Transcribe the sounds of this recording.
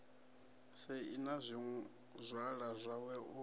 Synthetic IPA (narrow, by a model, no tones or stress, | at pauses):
sɛinazʷi | zʷwaɺazʷawɛu